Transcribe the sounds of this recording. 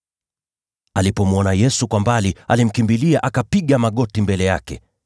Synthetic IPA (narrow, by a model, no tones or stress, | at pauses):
alipɔmuɔnajɛsukwambalialim̩kimbiliaʔakapiɠamaɠɔtimbɛlɛjakɛ̰